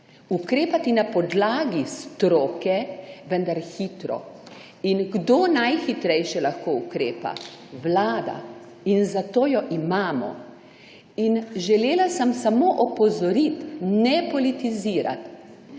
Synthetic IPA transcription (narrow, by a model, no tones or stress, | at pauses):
ukɾeːpat̪inapɔd̪laːɡist̪ɾoːkɛʋə̃nd̪aɾxiːt̪ɾɔ̰ | inɡd̪oːnajxit̪ɾɛjʃɛlaxkoːukɾeːpa̰wlaːd̪a̰ | inzat̪oːjɔʔimaːmɔ̰ | inʒɛleːlasəmsamoʔɔpɔzɔɾit̪nɛpɔlit̪iziːɾa̰t̪